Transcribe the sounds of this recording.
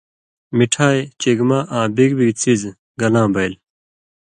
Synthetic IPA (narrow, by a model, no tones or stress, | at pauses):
miʈʰaːjt͡ɕeɡmaʔãːbiɡbit͡siz | ɡɐlãːbɐjl